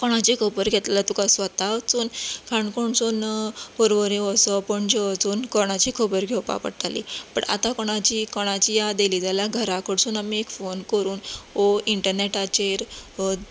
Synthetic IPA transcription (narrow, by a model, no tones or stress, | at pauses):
kɔɽ̃at͡ɕikʰəbəɾɡʱet̪llat̪ukasʋət̪aʋt͡suːnkʰaɳkoɳsuːnpəɾʋəɾĩʋɔsɔpɔɳd͡ʑeʋət͡suːnkɔɽ̃at͡ɕikʰəbəɾɡʱewpa̰pə̰ɽʈ̪alḭpə̰ɳa̰t̪ãkɔɽ̃at͡ɕikɔɽ̃at͡ɕijad̪eliːd͡zaljaɡʱəɾakʰəɽsuːnamiekfonkəɾuːnoiɳʈəɾneʈat͡ɕeɾ